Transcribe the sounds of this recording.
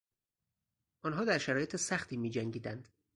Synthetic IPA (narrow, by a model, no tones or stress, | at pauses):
ʔɒnɦɒːd̪æɾʃæɾɒːje̞t̪ʰesæxt̪ʰiːmiːd͡ʒæŋɡiːd̪ænd̪̥